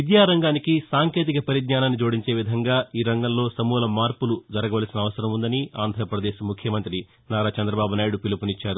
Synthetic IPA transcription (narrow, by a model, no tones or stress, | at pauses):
ʋid̪jaːɾɐŋɡaːnikisaːŋke̞ːt̪̬ikɐpɐɾiɡ̪ɲaːnaːnːid͡ʒuːɽiɲt͡ʃe̞ːʋid̪ʱɐŋɡaːiːɾɐŋɡɐmlo̞ːsɐmuːlɐmaːɾpulud͡ʒɐɾɐɡɐʋɐːlɐsinɐʋɐsɐɾɐmund̪ɐniaːnd̪ʱɐɾɐpɾɐd̪eːʃɐmukʰjɐmɐnt̪ɾi | naːɾaːt͡ʃɐnd̪ɾɐbaːbunaːjiɽupilupunit͡ʃːaːɾu